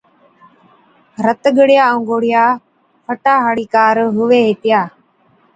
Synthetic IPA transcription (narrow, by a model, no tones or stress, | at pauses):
ɾət̪ɠəɽjaːõŋɡoːɽɪjaː | pʰəʈaːɦəɽiːkaːɾɦʊʋeːɦeːt̪ɪjaː